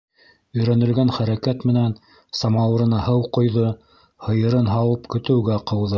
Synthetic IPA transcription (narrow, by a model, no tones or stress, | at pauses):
ɵ̆jɾænɵ̆lɡænχæɾækæt̪mɘ̆næn | sɑmɑw̪ɤɾɤ̆nɑhɤwqŏjðɤ | hɤ̆jɤ̆ɾɤnɦɑwɤpkɵ̆t̪ɘ̆wɡæqɤ̆wðɤ